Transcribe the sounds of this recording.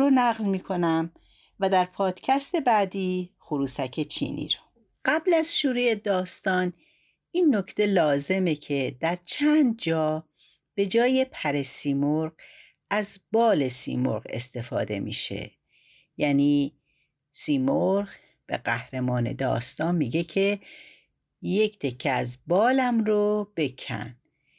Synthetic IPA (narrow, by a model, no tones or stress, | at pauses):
onæɣlmiːkʰo̞næm | væd̪æɾpʰɒːd̪̥cʰæst̪e̞bæːd̪iːxoɾuːsæcʰe̞t͡ʃʰḭːnʔḭːɾɔ̥ | ɢæblæz̥ʃuːɾejed̪ɒːst̪ɒːn | inːocʰt̪ʰe̞lɒːze̞me̞cʰe̞d̪̥æɾt͡ʃʰænd̪̚d͡ʒɒː | b̥e̞d͡ʒɒːje̞pʰæɾe̞siːmoɾɢ | æzbɒːle̞sḭːmo̰ɾɣe̞̰st̪e̞fɒ̰ːd̪e̞̰mḭːʃḛ | jæːniː | siːmoɾʁ | b̥e̞̰ɢæhɾe̞mɒːne̞̰d̪ɒ̰ːst̪ɒːnmiːɟe̞kʰe̞ | je̞cʰt̪ʰe̞kʰːeæzbɒːlæmɾob̥e̞kʰæ̰n